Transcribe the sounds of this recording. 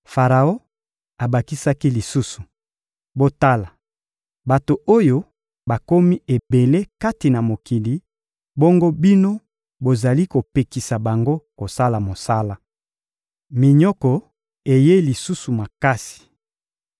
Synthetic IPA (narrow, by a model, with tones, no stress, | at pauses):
fa˨ʁa˨o˦ | a˨ba˨ki˦sa˦ki˦li˨su˦su˨ | bo˦ta˦la˨ | ba˨to˨ʔo˦jo˦ | ba˨ko˦mi˦e˨be˨le˦ka˦ti˨na˨mo˨ki˨li˨ | bo˦ŋɡo˦bi˦no˦ | bo˨za˨li˦ko˨pe˨ki˨sa˨ba˨ŋɡo˦ko˨sa˦la˨mo˨sa˦la˦ | mi˨ɲɔ˦kɔ˨ | e˨je˦li˨su˦su˨ma˨ka˦si̥˨